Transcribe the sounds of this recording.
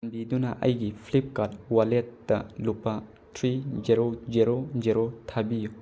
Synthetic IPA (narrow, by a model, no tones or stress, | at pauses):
mbidunɐʔɐ̰jɡipʰlip̚kat̚walet̚d̥ɐ̰lupːɐ | tʰɾiziɾoziɾoziɾotʰabiju